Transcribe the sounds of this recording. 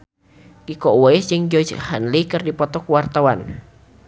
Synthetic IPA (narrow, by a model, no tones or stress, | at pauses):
kikɔwɔɪsd͡ʒəŋd͡ʒɔd͡ʒhanlikərdipɔt̪ɔkwart̪awan